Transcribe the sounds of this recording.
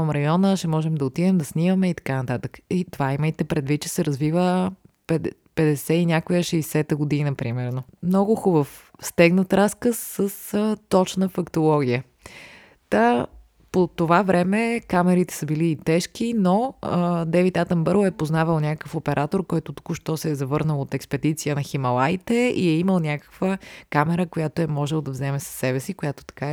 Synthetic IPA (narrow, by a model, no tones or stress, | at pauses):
əmɾɐjɔnəʃɛmɔʒɛmd̪ɐot̪id̪ɛmd̪ɐsnivəmɛit̪ɐ̥kanɐt̪at̪əkit̪ovaiməjt̪ɛpɾɛd̪vit̪̚t͡ʃɛ̥sɛɾɐzvivəpɛd̪ | pɛd̪ɛsɛinʲjakojəʃɛjsɛt̪əɡod̪inəpɾimɛɾnomnɔɡʊxubəfst̪ɛɡnət̪ɾaskəsːəsət̪ɔt͡ʃnəfɐkt̪olˠɔɡʲiə | t̪a | pot̪ovavɾɛmɛkamɛɾit̪ɛ̥səbiliːt̪ɛʃk̟inoəd̪ɛvit̪at̪əmbəɾɛpoznavəlˠnʲakəkəfopɛɾʔat̪oɾkɔjt̪ʊt̪u̥kuʃt̪ɔsɛːzɐvɤɾnəlˠot̪ɛkspɛd̪it̪sijənɐximɐlˠajt̪ɛḭɛiməlˠnʲakə̥kvəkamɛɾəkojat̪oɛmɔʒɛlˠd̪ɐvzɛmɛsɐ̥sːɛbɛsikojat̪o̥t̪ɐ̥ka